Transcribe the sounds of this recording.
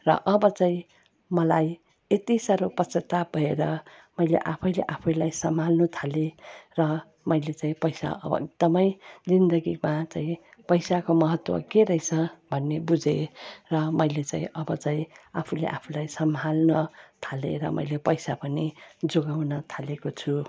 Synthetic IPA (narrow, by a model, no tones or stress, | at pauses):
rʌ̰ʔʌbʌt͡saĩ | mʌlaj | et̪isʌɾopʌt͡sʌt̪abʱʌeɾʌmʌjlḛʔapʰʌjlḛʔapʰʌjlajsʌmʱalnut̪ʰalerʌ | mʌjlet͡saĩpʌjsa̰ʌ̰bʌ̰eɡ̚d̪ʌmʌjd͡zind̪ʌɡimat͡saĩpʌjsakomʌɦʌt̪wʌ̰keɾʌijt͡sʰʌbʱʌnːebud͡zʱerʌmʌjlet͡sã̰ĩʔʌbʌt͡saĩapʰulḛʔa̰pʰulajsʌmɦalnʌt̪ʰalḛɾʌmʌ̰jlepʌjsapʌnid͡zoɡawnʌt̪ʰalekot͡sʰu